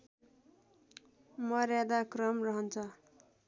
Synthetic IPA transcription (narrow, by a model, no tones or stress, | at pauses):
mʌɾjad̪akrʌmrʌɦʌnt͡sʰʌ